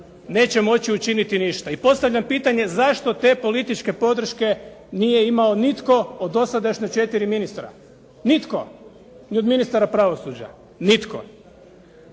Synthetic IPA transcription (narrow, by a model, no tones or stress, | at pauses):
ne̞ːt͡ɕe̞mo̞t͡ɕiut͡ʃinit̪iniʃt̪aipo̞st̪aʋʎampiːt̪aɲe̞zaʃt̪o̞t̪e̞po̞lit̪it͡ʃke̞po̞d̪r̩ʃke̞nijeimaonit̪ko̞od̪o̞sad̪aʃɲat͡ʃe̞t̪iɾiminist̪ɾa̰ | nit̪ko̞̰ | nio̞d̪minist̪aɾapɾaʋosuːd͡ʑa̰ | nit̪ko̰